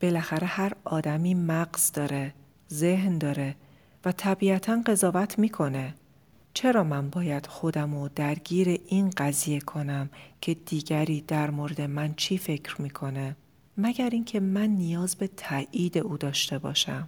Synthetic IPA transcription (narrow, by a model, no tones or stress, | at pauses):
b̥e̞læxæɾe̞hæɾɒːd̪æmiːmæɡz̥d̪ɒːɾe̞ | ze̞ɦnd̪ɒːɾe̞ | væt̪ʰæbiːæt̪ʰænɢe̞zɒːvæt̪ʰmiːkʰo̞ne̞ | t͡ʃʰe̞ɾɒːmænbɒːjæd̪̥xo̞d̪æmod̪æɾɟiːɾe̞ʔinɢæzije̞kʰo̞næmcʰe̞d̪̥iːɟæɾiːd̪̥æɾmoɾe̞d̪e̞mænt͡ʃʰiːfe̞cʰɾmiːkʰo̞ne̞ | mæɟæɾiːncʰe̞mænːijɒːzbe̞t̪ʰæʔiːd̪e̞ʔuːd̪ɒːʃt̪e̞bɒ̰ːʃæm